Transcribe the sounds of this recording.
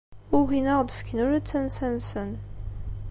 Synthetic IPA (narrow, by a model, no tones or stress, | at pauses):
ʊɣinæʁd̪əfə̥kːənʊɾæt͡sːænsænsən